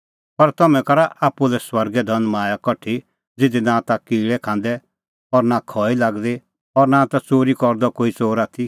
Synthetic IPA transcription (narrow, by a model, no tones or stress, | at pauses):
pɐɾt̪ɐmɛ̃kɐɾaʔaːpulɛswɐɾɡɛd̪ʱɐnmaːjakɔʈʰi | d͡zɪd̪inãt̪akiːɭɛkʰãːnd̪ɛ | ɔːɾnakʰɔːilaːɡd̪e | ɔːɾnãːt̪at͡soːɾikɔɾd̪ɔkoːit͡soːɾaːt̪ʰi